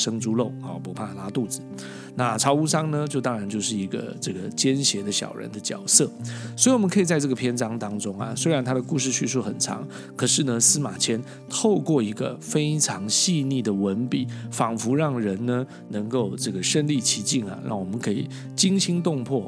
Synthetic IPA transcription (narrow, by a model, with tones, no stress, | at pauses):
ʂə˥ŋʈ͡ʂu˥lo˥˩ʊɔ̰˨˩pu˧˥pʰa˥˨la˥t̪u˥˩d͡zɹ̩˩ | na˥˧ʈ͡ʂʰɑ˧˥ʊu˥ʂɑ˥ŋnə˧t͡ɕjo˥˧ʊt̪ɑ˥ŋɻa˧˥nt͡ɕjo˥˧ʊʂɻ̩˥˩i˧˥ɡə̰˧ʈ͡ʂɤ˥˩ɡə˩t͡ɕjɛ˥nɕjɛ˧˥d̪ə˧ɕjɑ̰˨˩ʊɻə̰˧˦nd̪ə˧t͡ɕjɑ˨˩ʊsɤ˥˩swɔ˧˥i˨wɔ˨mə˦nkʰɤ˧˥i˨˩t͡sa˥˧ɪʈ͡ʂɤ˥˩ɡə˩pʰjɛ˥nʈ͡ʂɑ˥ŋt̪ɑ˥ŋʈ͡ʂʊ˥ŋɐ̰˨swe˥ɪɻa˧˥nt̪ʰa˥d̪ə˨ku˥˧ʂ̬ɻ̩˥˧t͡ɕʰy˥˧ʂ̬u˥˩xə˨˩nʈ͡ʂʰɑ̰˧˥ŋ | kʰɤ˨˩ʂɻ̩˥˩nə˧sɹ̩˥ma˨˩t͡ɕʰjɛ˥n | t̪ʰo˥˧ʊkwɔ˥˩i˧˥ɡə̰˧fe˥ɪʈ͡ʂʰɑ˧˥ŋɕi˥˧ni˥˩d̪ə˩wə˧˥npi˨˩˦fɑ˨˩ŋfu˧˥ɻɑ˥˩ŋɻə˧˦˥nnə˧ | nɤ˧˥ŋko˥˩˧ʊʈ͡ʂɤ˥˩ɡə˩ʂə˥˧nli˥˩t͡ɕʰi˧˥t͡ɕi˥˩ŋɐ̰˩ɻɑ̰˥˩ŋwɔ˨˩mə˦nkʰɤ˧˥ḭ˨˩ | t͡ɕi˥ŋɕi˥ŋt̪ʊ˥˧ŋpʰwɔ˥˩